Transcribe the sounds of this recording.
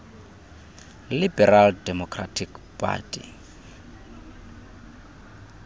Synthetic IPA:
libɛraldɛmɔkʰra̰tʰikpʰʼa̰ːtʼḭ

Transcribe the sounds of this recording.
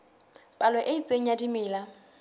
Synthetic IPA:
pʼalɛʔɪit͡sʼeŋ̩jadimɪːla

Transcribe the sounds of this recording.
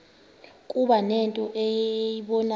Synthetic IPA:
kʼuɓanɛntʼɔʔɛjjiɓɔna

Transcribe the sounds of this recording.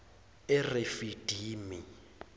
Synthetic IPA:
ɪrɪfid̥ʱiːmi

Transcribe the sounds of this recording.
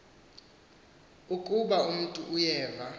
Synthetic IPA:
ukʼuɓaum̩tʼuʔːjɛːva

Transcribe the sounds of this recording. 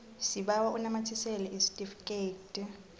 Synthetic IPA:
siɓawaʔunamatʰisɛlɛʔistʼifketʼ

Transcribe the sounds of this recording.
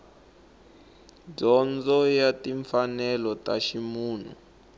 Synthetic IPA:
ɟɔnd͡zɔjatiɱfanɛlɔtaʃimuːn̤ṵ

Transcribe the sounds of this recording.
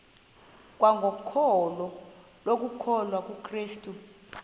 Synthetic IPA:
k̬ʼwaŋɡʱokʰɔlɔ | lok̬ukʰɔlwak̬ʼukʰriːstʼu

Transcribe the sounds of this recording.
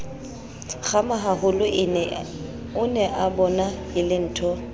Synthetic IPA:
ɣamaɦahʊlʊ | ʊnɛʔabɔnaɪlɪn̩ːtʰɔ

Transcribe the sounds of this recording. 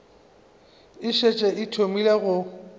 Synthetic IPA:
ɪʃet͡ʃʼɛʔɪtʰomileɣʊ

